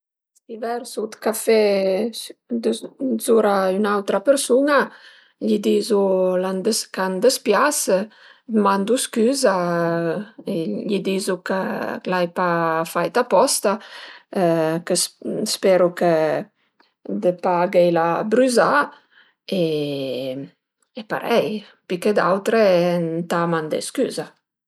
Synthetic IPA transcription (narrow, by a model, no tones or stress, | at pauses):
sivɛɾsut̪kafɛ | d̪əzuɾaynawt̪ɾapəɾsuna | ʎid̪izuland̪əskand̪əspjas | d̪əmand̪uskyza | eʎid̪izukə̰lajpafajt̪apɔst̪a | kəsspɛɾukə | d̪əpaɡɛjlabɾyza | e | epa̰ɾɛj | piked̪awt̪ɾent̪amand̪ə̰sky̰za